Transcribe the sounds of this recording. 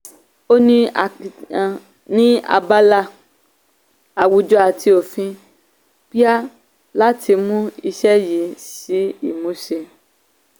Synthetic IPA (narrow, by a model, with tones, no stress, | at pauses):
o˦nĩ˦a˨ | nĩ˦a̰˧ba˦la˧ | a˨wu˨˧d͡ʒɔ˧˦a˨tʰi˧o˨fĩ˧ | pi˦a˦ | la˦tʰi˧mũ˦i˧ʃɛ˦ji˨˦si˨˦ḭ˦˨mõ˨˦ʃe˧